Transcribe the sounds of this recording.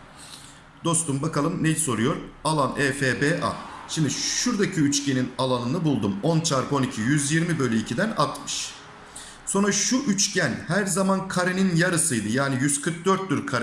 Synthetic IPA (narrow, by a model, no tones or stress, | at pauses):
d̪̥o̞st̪ʰumbakalˠɯmnejiso̞ɾujo̞ɾalˠanɛːfeːbeːʔa̰ʃimd̪iʃuɾd̪acʰiyt͡ʃcʰe̞ninalˠanɯnɯbulˠd̪umo̞nt͡ʃʰaɾpo̞nicʰijyzjiɾmibø̞jlʲeicʰid̪æna̰t̪mɯ̥ʃ | so̞nɾaʃuʔyt͡ʃcʰænhæɾzamankʰaɾeninjaɾɯsɯjd̪ɯjaːnijyzkʰɯɾk̚d̪øɾt̪̚d̪ʲyɾkʰaɾ